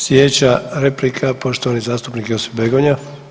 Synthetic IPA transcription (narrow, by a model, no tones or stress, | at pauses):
sjet͡ɕaɾe̞plikʰapo̞ʃt̪o̞ʋanizaːst̪upnikeosebeɡoɲa